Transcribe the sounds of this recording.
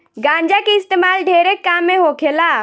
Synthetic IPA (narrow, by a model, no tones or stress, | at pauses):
ɡãːɲd͡ʒakiɪst̪eːmaːlɖʱeːɾekːaːmːẽɦokʰelaː